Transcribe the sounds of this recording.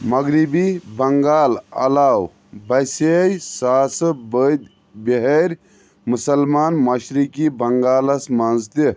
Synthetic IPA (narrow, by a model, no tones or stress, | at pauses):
mɐɡɾibibɐŋɡaːlɐ̰laːw | bɐjsejsaːsɨbəd̪ | beɦeɾʲ | musɐlmaːnmɐʃɾikibɐŋɡaːlɐsmɐnzt̪i